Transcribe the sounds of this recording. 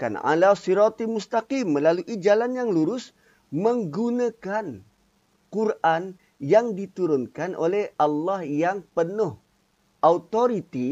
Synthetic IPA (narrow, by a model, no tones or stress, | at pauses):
ka̰na̰ʔa̰lasiɾat̪imust̪aqimːəlaluʔid͡ʒalanjaŋluɾʊs | məŋɡunakan | kurʔan | jaŋdit̪uɾʊnkanʔolɛhʔalːahjaŋpənʊh | ʔaut̪oɾit̪i